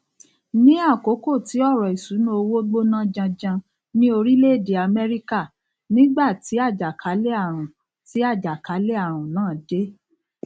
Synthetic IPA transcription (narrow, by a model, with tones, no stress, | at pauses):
nĩ˦a˦˨ko˨˦ko˦˨ti˨˦ɔ˦˨ɾɔ˨i˨su˨˦nũ˦o˧wo˦ɡ͡bo˦nã˦d͡ʒã˧d͡ʒã˧ | nĩ˦o˧ɾi˦le˦˨de˨a˧mɛ˦ɾi˦ka˦˨ | nĩ˦ɡ͡ba˦˨ti˨˦a˦˨d͡ʒa˨kʰa˨˦le˦a˦˨ɾ̃ã˨ | ti˨˦a˦˨d͡ʒa˨ka˨˦le˦a˦˨ɾ̃ũ˨nãː˦˨de˨˦